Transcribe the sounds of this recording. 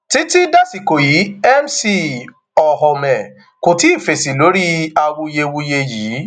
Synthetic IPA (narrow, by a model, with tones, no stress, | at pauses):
ti˦ti˦da˦si˨ko˨ji˨˦ɛ˦msi˧ | ɔ˨ɦɔ˧mɛ̃˨ | ko˨ti˨˦i˦˨fe˨si˨lo˨˦ɾi˦a˧wu˧je˧wu˧je˧jiː˨˦